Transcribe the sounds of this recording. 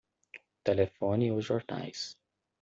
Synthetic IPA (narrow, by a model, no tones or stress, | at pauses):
t̪elefõnioʒɔɾna̰js